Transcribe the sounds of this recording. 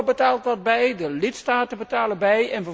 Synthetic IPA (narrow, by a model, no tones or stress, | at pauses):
bətaːlˠt̚dɑd̚bɛjdəlɪtstaːtəbətaːləbɛjɛnvə